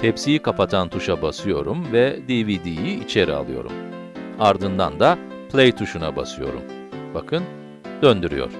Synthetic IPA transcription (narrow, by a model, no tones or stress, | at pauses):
t̪ʰepsijikapat̪ʰant̪ʰuʃabasɯjo̞ɾumvɛd̪ivid̪ijiit͡ʃʰe̞ɾḭa̰lˠɯ̰jo̞̰ɾṵm | aɾd̪ɯnd̪a̰nd̪a | plʲejt̪ʰuʃunaba̰sɯjo̞̰ɾṵm | b̥akʰɯn | d̪̥ønd̪yɾy̰jo̞̰ɾ̥